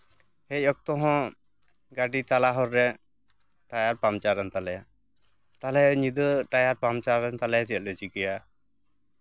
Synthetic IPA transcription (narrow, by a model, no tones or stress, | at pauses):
hɛc̚ɔk̚t̪ɔɦɔ̃ | ɡaɖit̪alaɦɔɾːɛ | ʈajaɾpamt͡ʃaɾɛnt̪alɛja | t̪alɛɲid̪əʈajaɾpamt͡ʃaɾɛnt̪alɛjat̪ijat̪̚lɛt͡ʃikɛja